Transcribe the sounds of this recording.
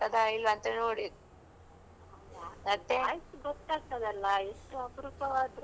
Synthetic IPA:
ɐd̪ajilʋɐːnt̪ɐnoːɽid̪ | aaɐt̪ːejsuɡɔt̪ːaːɡ̚t̪ɐd̪ɐlːɐeʂʈuɐpɾupɐʋaːd̪ɾ

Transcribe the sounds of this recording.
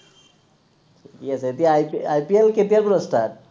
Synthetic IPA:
tʰikiaseet̪ijajpielkepielpuɾɔsʈʰat̚

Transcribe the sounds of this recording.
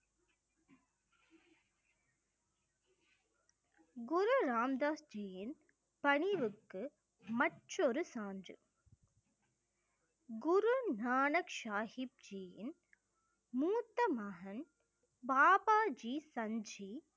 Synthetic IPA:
ɡʊɾuɾaːmd̪aːsd͡ʒiːjɪn | pɐɳɪʋɯkːɯ | mɐʈrɔɾɯsaːndrɯ̰ | ɡʊɾunaːnɐkʂaːhɪp̚d͡ʒiːjɪ̰n | muːt̪ːɐmɐɦɐn | baːpaːd͡ʒiːsɐɲd͡ʒi

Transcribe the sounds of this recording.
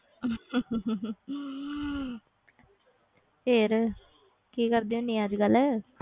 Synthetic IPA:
pʰeːɾ | kiːkəɾd̪iːõːnĩːəd͡ʒɡəlɛː

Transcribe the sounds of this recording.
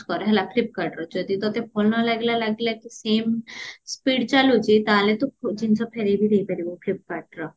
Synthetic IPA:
kɔɾɦɛlaklip̚kaɾʈɾɔd͡ʒod̪it̪ɔt̪epʰolnɔlaɡlalaɡlakisemspiɖt͡ʃalud͡ʒit̪aɦlet̪ukʰud͡ʒint͡ʃʰɔpʰeɾebiɾejpaɾiboklip̚kaɾʈɾɔ

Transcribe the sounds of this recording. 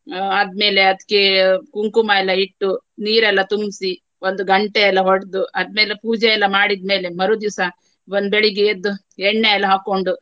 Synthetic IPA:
ɐd̪me̞ːle̞ɐd̪kːekuŋkumɐɛlːɐiʈːuniːɾɛlːɐt̪umsi | ond̪uɡɐɳʈeɛlːɐɦoɽd̪uʔɐd̪̚me̞ːlepuːd͡ʒɛɛlːɐmaːɽid̪̚me̞ːle̞mɐɾud̪isɐ | ʋond̪beɭiɡeed̪ːu | ɛɳːeɛlːɐɦaːko̞ɳɖu

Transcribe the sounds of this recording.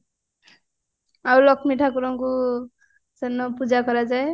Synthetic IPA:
awlɔkʰmiʈʰakuɾɔŋku | sɛnɔpud͡ʒakɔɾad͡ʒae

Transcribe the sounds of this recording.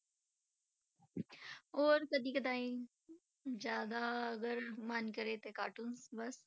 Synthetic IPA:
oːɾkəd̪iːkəd̪ãːĩ | d͡ʒjaːd̪aɐɡəɾmənkəɾeːt̪eːka̰ːʈunsbɐs

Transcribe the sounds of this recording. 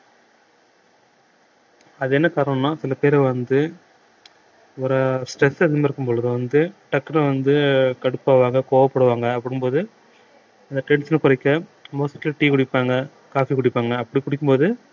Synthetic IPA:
ɐðɯɛnːɐkaːɾɐɳɐ̃nːaːsɪlɐpeːɾɛʋɐnd̪ɯ | ʋɐɾɐsʈɾɛsːɐðɐmːɪɾɯkːɯmpɔɭɐðɯʋɐnd̪ɯʈɐkːɐnɐʋɐnd̪ɯkɐɽɯpːaːʋaːŋɡɐkoːʋɐpːɐɽɯʋaːŋɡɐːpːɐɽɯmpoːðɯ | ɐnd̪ɐʈɛɳʈsɪnɐkʊɾɐɪkːɐmoːsɪʈːlʈiːkʊɽɪpːaːŋɡɐ | kaːfikʊɽɪpːaːŋɡɐːpːɐɽikʊɽɪkːɯmpoːðɯ

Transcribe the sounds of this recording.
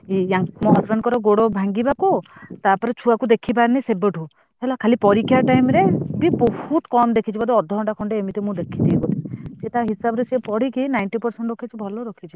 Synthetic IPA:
iãŋmɔɦɔsɡankɔɾɔɡoɽɔbʱaŋɡibakut̪apɔɾet͡ʃʰuakud̪ekʰip̬aɾnisebeʈʰũ | elakʰalipɔɾikʰːjaʈajmɾebibɔhut̪kɔmd̪ekʰit͡ʃʰibad̪eɔd̪ʱːɔɦɔɳʈakʰɔɳɖeemit̪emũd̪ekʰid̪ejbɔt̪ʰid͡ʒet̪aɦisabɔɾesepɔɽikinajɳʈipɔɾseɳʈɔkʰit͡ʃʰibʱɔlɔɾɔkʰit͡ʃʰi

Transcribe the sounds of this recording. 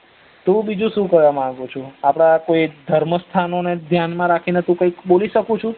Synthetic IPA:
t̪ũbid͡ʒũʃũkəɾʋamãɡut͡ʃʰuapɽ̃akoid̪ʱəɾməst̪ʰanoned̪ʱjanmãɾakʰinet̪ũkə̃ikɓoliʃəkũt͡ʃʰũ

